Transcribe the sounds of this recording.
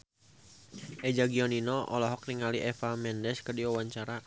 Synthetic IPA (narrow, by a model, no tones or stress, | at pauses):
ʔɛd͡ʒaɡiɔninɔʔɔ̰lɔɦɔk̚niŋaliʔɛfamɛndɛskədiɔwaɲt͡ʃaɾa